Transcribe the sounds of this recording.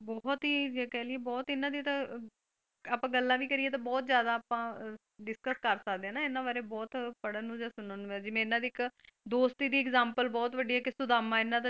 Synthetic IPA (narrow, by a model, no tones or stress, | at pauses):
bɔːt̪ɦiːd͡ʒekɛːlɪeːbɔːt̪ɪnãːd̪iːt̪ãː | aːpãːɡəlːãːʋiːkəɾiːeːt̪̬ãːbɔːt̪zjaːd̪aːpãː | ɖɪskəskəɾsəkd̪ẽɛːnãːɪnːãːʋaːɾeːbɔːt̪pəɽaːnũːd͡ʒãːsʊnaːnũɛ̃ːd͡ʒɪʋẽːɪnːãːd̪iːɪkd̪oːst̪iːd̪iːkzãːmpəlbɔːt̪ʋəɖiːɛːkɪsʊd̪aːmãːɪnːãːd̪a